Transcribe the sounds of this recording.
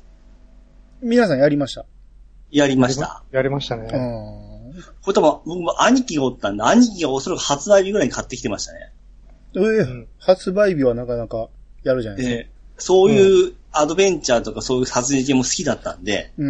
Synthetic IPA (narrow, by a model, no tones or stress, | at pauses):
mʲinas̬ãɰ̃jaɾʲimaɕi̥t̪a | jaɾʲimaɕi̥t̪a̰jaɾʲimaɕt̪anẽ | koet̪omobo̞kɯmoʔaɲ̟ikʲiɡaot̪ːãnd̪eaɲ̟ikʲiɡao̞so̞ɾakɯ̟̥hat͡sɨbaibʲiɡɯ̟ɾaiɲikat̪ːekʲit̪e̞maɕi̥t̪ane̞̰ | ehat͡sɨbaibʲiβanãkanakajaɾɯ̟d͡ʑanae | so̞ːjɯ̟ːad̪o̞bẽ̞ɲ̟t͡ɕaːt̪o̞kasoːjɯ̟ːsazɨʑikẽmːo̞sɨ̥kʲid̪at̪ːã̰nd̪e̞̰